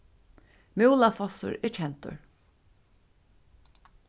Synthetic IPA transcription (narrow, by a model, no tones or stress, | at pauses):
mɪwlafɔsʊ̰ɹɪɾt͡ʃʰɛnt̪ʊ̰ɹ